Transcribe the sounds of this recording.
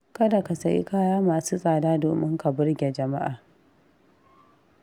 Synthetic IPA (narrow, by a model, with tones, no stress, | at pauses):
kɐ˦da˨ka˨sɐ˨ʔḭ˦kaː˦jaː˦maː˨suː˦sʼaː˨daː˦do̰ː˨mɪ˦ŋka˨bʊ˦rɡʲe˨d͡ʒɐ˨ma˦ʔaː˨